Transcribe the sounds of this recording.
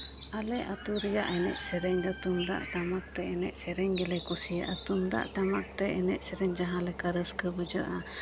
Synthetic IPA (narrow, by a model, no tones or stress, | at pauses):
alɛʔat̪uɾija̰ʔɛnɛ̰ʔsɛɾɛɲd̪ɔt̪umd̪a̰ʔʈamak̚t̪ɛɛnɛʔsɛɾɛɲɡɛlɛkɔsijaʔat̪umd̪a̰ʔʈamak̚t̪ɛɛnɛʔ̚sɛɾɛɲd͡ʒaɦãlɛkaɾəskəbəd͡ʒəʔa